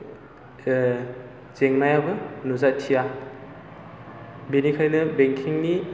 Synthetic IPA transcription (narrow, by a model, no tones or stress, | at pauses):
z̥eŋnajabɯnuzatʰija | benikʰajnɐbeŋkʰiŋni